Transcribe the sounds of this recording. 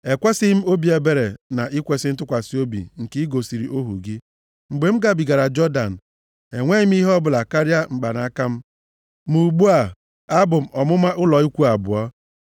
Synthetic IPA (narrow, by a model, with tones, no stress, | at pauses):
e˨kʷe˦sɪ˦m̩˦o˦bi˨˦e˨be˨ɾe˨na˨ʔi˦kʷe˨sɪ˦n̩˦tʊ˦kʷa˨si˦o˦bḭ˨ŋ̩˨ki˦i˦ɡo˨si˨ɾi˨ʔo˦ɦṵ˨ɡi˦ | ŋ͡m̩˨ɡ͡be˨m̩˦ɡa˨bi˨ɡa˨ɾa˨d͡ʒɔ˦da˨n̩˨ | e˨ŋʷe˦ɪ˦m̩˦i˦ɦɔ˦bʊ˨la˨ka˦ɾja˦ŋ͡m̩˨ɡ͡ba˨na˨a˦ka˦m̩˦ | mu˨ɡ͡bu˦a˨ | a˦bʊ˨m̩˨ʔɔ˨mʊ˦ma˦ʔʊ˦lɔ˨i˦kʷu˦a˨bʊ̰˨ɔ˦